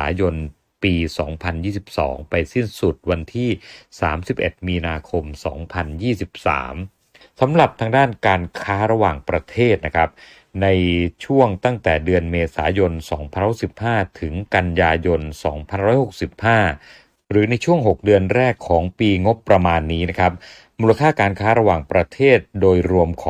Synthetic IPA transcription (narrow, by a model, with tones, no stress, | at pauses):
a˩˦jo˧n | piː˧sɔː˩˦ŋpʰa˧njiː˥˩si˨˩p̚sɔ̰ː˩˦ŋpa˧jsi˥˩nsu˨˩t̪̚wa˧nt̪ʰiː˥˩saː˩˦msi˨˩p̚ʔe˨˩t̪̚miː˧naː˧kʰo˧msɔː˩˦ŋpʰa˧njiː˥˩si˨˩p̚sa̰ː˩˦m | sa˩˦mɾa˨˩p̚t̪ʰaː˧ŋdaː˥˩nkaː˧nkʰaː˦˥ɾa˧waː˨˩ŋpɾa˧t̪ʰeː˥˩t̪̚na˦˥kʰɾa˦˥p̚ | na˧jt͡ɕʰu˥˩əŋt̪a˥˩ŋt̪ɛː˨˩dɯ˧ənmeː˧saː˩˦jo˧nsɔː˩˦ŋpʰa˧nɾɔ˥˩si˨˩p̚haː˥˩t̪ʰɯ˩˦ŋka˧njaː˧jo˧nsɔ̰ː˩˦ŋpʰa˧nɾɔː˦˥jho˨˩k̚si˨˩p̚haː˥˩ | ɾɯː˩˦na˧jt͡ɕʰu˥˩əŋɦo˨˩k̚dɯ˧ənɾɛː˥˩kʰːɔː˩˦ŋpiː˧ŋo˦˥pːɾa˧maː˧nːiː˦˥na˦˥kʰa˦˥p̚ | muː˧la˧kʰaː˥˩kaː˧nkʰaː˦˥ɾa˧waː˨˩ŋpɾa˧t̪ʰeː˥˩t̪̚doː˧jɾu˧əmkʰɔː˨